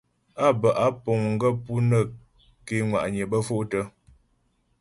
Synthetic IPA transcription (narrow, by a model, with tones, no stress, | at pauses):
a˦bə˨ʔa˦po˨ŋŋ̩˦ɡə˦pu˦nə˦˨ | ke˨˦ŋwa̰˨ʔɲə˨bə˦fo˦ʔtə˦